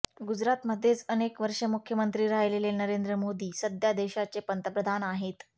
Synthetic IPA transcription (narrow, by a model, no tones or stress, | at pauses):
ɡud͡zɾat̪məd̪ʱjet͡sənekʋəɾʂəmukʰjəmənt̪ɾiːɾajlelenəɾend̪ɾəmod̪iːsəd̪ʱjad̪eɕat͡sepənt̪əpɾəd̪ʱanaɦet̪